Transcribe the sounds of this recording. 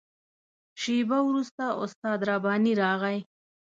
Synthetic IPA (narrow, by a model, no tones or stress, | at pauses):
ʃibawɾust̪aʔʊ̰st̪ɑd̪ɾɑbɑːniɾɑɣaj